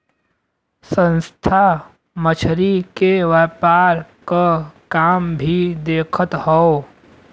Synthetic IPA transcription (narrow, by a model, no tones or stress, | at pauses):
sə̃nst̪ʰa | mət͡ʃʰɾikeʋɛːpaːɾkakaːmbʱid̪eːkʰət̪hɔo